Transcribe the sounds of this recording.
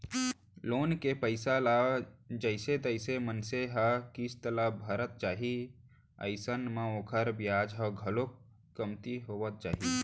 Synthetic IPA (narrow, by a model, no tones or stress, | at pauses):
loːnkepəɪsalad͡ʒəɪsed̪əɪsemənseɦəkist̪əlabʱəɾət̪̚t͡ʃaːɦi | ə̰ɪsənmãoːkʰəɾbjad͡ʒɦəɡʱəlok | kːəmt̪iɦoʋət̪̚t͡ʃaːɦi